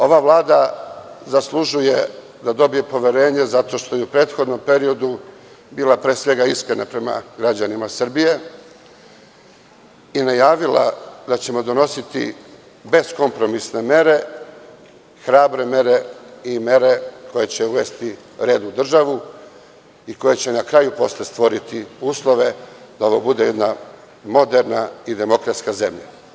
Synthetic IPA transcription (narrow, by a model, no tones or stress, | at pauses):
o̞ʋavlˠaːd̪a | zaslˠuʒuje̞ | d̪ad̪o̞bije̞po̞ʋe̞ɾe̞ːɲe̞zat̪o̞ʃt̪o̞jeupɾeːt̪xo̞d̪no̞mpe̞ɾio̞d̪u | biːlapɾe̞ːsʋe̞ɡaiskɾenapɾe̞ma̰ɡɾad͡ʑanimasr̩bije̞ | inajaːʋila̰d̪at͡ɕe̞mo̞d̪o̞no̞sit̪ḭ | be̞sko̞mpɾo̞misne̞me̞ɾe̞ | xɾaːbɾe̞me̞ɾe̞ime̞ɾe̞ko̞je̞t͡ɕe̞uʋe̞st̪iɾe̞ːd̪ud̪r̩ʒaʋu | iko̞je̞t͡ɕe̞nakɾajupo̞slest̪ʋo̞ɾit̪iuːslˠo̞ʋe̞d̪ao̞ʋobud̪ejed̪na | mo̞d̪e̞ɾnaid̪e̞mo̞kɾat̪skaze̞mʎa̰